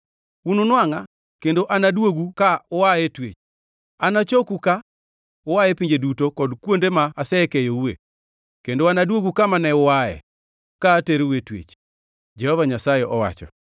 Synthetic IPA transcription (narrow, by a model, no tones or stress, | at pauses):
ununwaŋa | kendoʔanadwoɡukaʊwaetwḛt͡ʃ | anat͡ʃokuka | owaepiɲd͡ʒedutokɔdkwondemaːsɛkɛjouwḛ | kendoanadwoɡukamanɛʊwaɛ̰ | kaːteɾeuetwḛt͡ʃ | d͡ʒɛhɔvaɲasajɛʔɔwa̰t͡ʃɔ̰